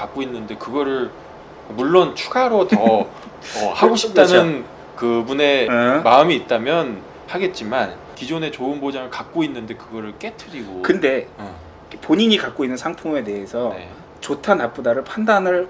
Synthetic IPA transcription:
kak̚k͈oinːɯnde̞kɯɡʌɾɯɭ | muɭːont͡ɕʰuɡaɾotʌ | ʌhaɡoɕʰip̚t͈anon | kɯbune̞maɯmiːt̚t͈amjʌn | haɡe̞t̚t͡ɕ͈iman | kid͡ʑone̞t͡ɕoɯnbod͡ʑaŋɯɭkak̚k͈oinːɯnde̞kɯɡʌɾɯɭk͈e̞tʰɯɾiɡokɯnde̞ | ikʰepoɲiɲikak̚k͈oinːɯnsʰaŋpʰoŋe̞te̞ɦesʰʌne | t͡ɕotʰanap͈udaɾɯɭpʰandanɯɭ

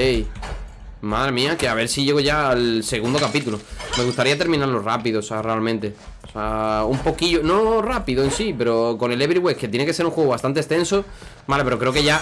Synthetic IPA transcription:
ej | maðɾe̞mĩake̞aβ̞e̞ɾsiʝe̞ɣo̞ʝaːlse̞ɣund̪o̞kapit̪ulome̞ɣ̞ust̪aɾiat̪e̞ɾmĩnaɾlo̞ra̰piðosarealmẽnt̪e̞ | saumpo̞kiʝono̞rapiðoensipe̞ɾo̞ko̞ne̞leβɾiɣwe̞kkːet̪je̞neke̞seɾuŋxweɣoβast̪ant̪est̪e̞nsomale̞peɾo̞kɾe̞oke̞ʝa

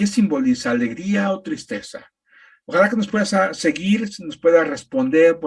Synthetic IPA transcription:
ke̞simbo̞lisaːle̞ɣɾiaot̪ɾist̪e̞sa̰ | oxalakeno̞spwe̞ðasase̞ɣiɾsno̞spwe̞ðare̞spo̞nd̪e̞ɾp

